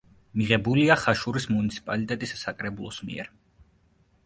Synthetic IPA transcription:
miʁɛbuliaχaʃuɾismunit̪sʰi̥pʼalit̪ʼɛt̪ʼisːakʼɾɛbulˠɔsmḭɛ̰ɾ

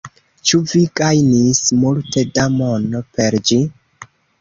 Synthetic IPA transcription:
t͡ʃuviɡajnismulte̞damonope̞ɾd͡ʒi

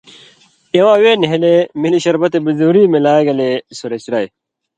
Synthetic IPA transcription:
ewãːweːniɦelemiliɕɐɾbɐt̪ebizuɾiːmelaːɡɐlesuɾeɕɾɐj

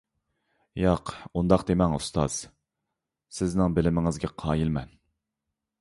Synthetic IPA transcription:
jɑqund̪ɑqd̪emɛŋṵst̪ʰɑ̰z̥ | sɪznɪŋbɪlɪmɪŋɨzɡʲɛqʰɑːjilmɛn

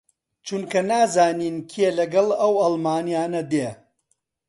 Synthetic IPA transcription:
t͡ʃʰunkɐnaːzaːniːnkʰielɐɡɐlˠɐwɐlˠmaːnijaːnɐd̪e

